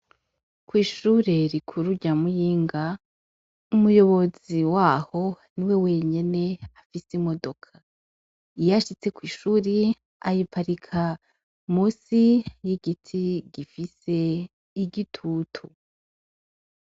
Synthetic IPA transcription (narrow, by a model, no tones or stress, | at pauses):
kwiːʃuːɾe̞ɾikʰuɾuɟamujiːŋɡa | umujo̞βo̞ziwaːho̞niwe̞we̞ɲene̞afisimo̞do̞kʰa | ijaʃit͡se̞kwiːʃuɾi | a̰jipaɾikʰa | musijiɡitʰiɡifise̞ | iɟitʰuːtʰu